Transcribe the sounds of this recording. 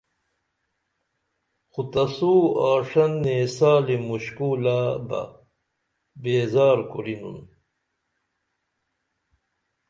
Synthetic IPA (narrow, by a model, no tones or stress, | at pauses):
xut̪ɐsuaːʂɐnːeːsaːlimuɕkuːlabɐ̰ | beːzaːɾkuɾinṵn